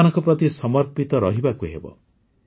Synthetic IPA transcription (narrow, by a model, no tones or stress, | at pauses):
nɔŋkɔpɾɔt̪isɔmɔɾpit̪ɔɾɔɦibakuɦḛbɔ̰